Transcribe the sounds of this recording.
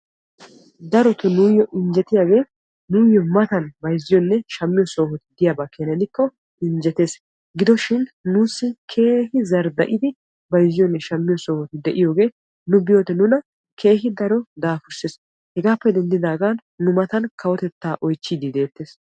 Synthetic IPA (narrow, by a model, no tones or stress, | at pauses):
d̪ɐɾɔt̪ɔnujːɔʔɪnd͡ʒɛt̪ɪjaːɡe̞ː | nujːɔmɐt̪ɐnbɐjzːɪjɔnːɛʃɐmːɪjɔso̞ːhɔt̪ɪd̪ɪjaːbaːkeːnɛnɪkːɔ | ɪnd͡ʒɛt̪e̞ːs | ɡɪd̪ɔʃɪnnuːsːɪkʰe̞ːhɪzɐɾd̪ɐ̰ʔɪd̪ɪ | bɐjzːɪjɔnːɛʃɐmːɪjɔsoːhɔt̪ɪd̪ɛʔɪjo̞ːɡe̞ː | nʊbɪjoːt̪ɛnʊnɐ | kʰe̞ːɦɪd̪ɐɾɔd̪aːfʊɾses | hɛɡaːpːɛd̪ɛnd̪ɪd̪aːɡanːʊmɐt̪ɐnkʰɐwɔt̪ɛt̪ːaːʔɔjt͡ʃːiːd̪ɪd̪e̞ːt̪ːe̞ːs